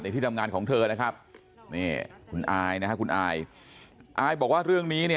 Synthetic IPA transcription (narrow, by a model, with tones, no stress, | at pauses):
na˧t̪ʰiː˥˩t̪a˧ŋaː˧nkʰɔː˩˦ŋt̪ʰɤː˧na˦˥kʰa˦˥p̚ | niː˥˩kʰu˧nʔaː˧jna˦˥kʰa˦˥kʰu˧nʔaː˧j | ʔaː˧jbɔː˨˩k̚waː˥˩ɾɯ˥˩əŋniː˦˥ni˥˩